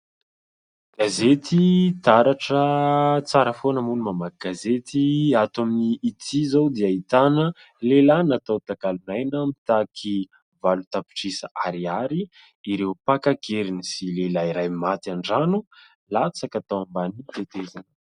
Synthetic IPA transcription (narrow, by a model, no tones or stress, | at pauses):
ɡ̥azet̪ʰit̪aɾaʈ͡ʂət͡saɾəfonəmunumamakɡ̥azet̪iat̪amiːt̪ʰizowd̪iait̪anə | lelanat̪awt̪akalunajnəmit̪akʰi | valut̪api̥ʈ͡ʂisaʔaɾiaɾiː | ɾewpakaɡeɾinisilelaiɾajmat̪aɳɖ͡ʐanu | lat͡sakat̪awambanit̪et̪ezan